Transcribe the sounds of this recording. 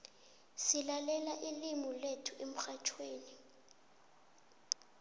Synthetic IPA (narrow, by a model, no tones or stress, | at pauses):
silalɛlaʔilimɔletʰuem̩xat͡ʃʰweːni